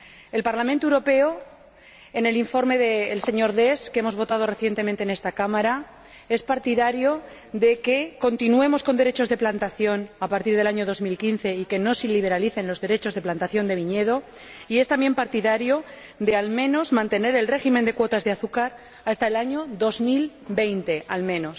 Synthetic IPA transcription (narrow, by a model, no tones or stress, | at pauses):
e̞lpaɾlamẽnt̪owɾo̞pe̞o | ene̞liɱfo̞ɾme̞ðeːlse̞ɲo̞ɾðe̞skeemo̞zβo̞t̪að̞o̞re̞θje̞nt̪emẽnt̪ene̞st̪akamaɾa | e̞spaɾt̪iðaɾjo | ðe̞keko̞nt̪inue̞mo̞sko̞nd̪e̞ɾe̞t͡ʃo̞zðe̞plant̪aθjo̞napaɾt̪iɾð̞e̞laɲo̞ðo̞zmilkinθe̞ike̞no̞siliβ̞e̞ɾaliθe̞nlo̞zðe̞ɾe̞t͡ʃo̞zð̞e̞plant̪aθjo̞nd̪e̞β̞iɲe̞ð̞o̞ | ie̞st̪ambje̞mpaɾt̪iðaɾjo̞ | ðe̞almẽ̞no̞zmãnt̪e̞ne̞ɾe̞lre̞ximẽnd̪e̞kwo̞t̪azðeaθukaɾ | ast̪ae̞laɲo̞ðo̞zmil | be̞jnt̪e̞almẽ̞no̞s